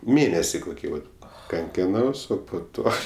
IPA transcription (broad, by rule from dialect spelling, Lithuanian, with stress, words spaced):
ˈmʲeːnʲɛsʲɪ koːˈkʲiː ʋɐt kɐŋʲˈkʲɪnɐʊs ˈoː poː ˈtoː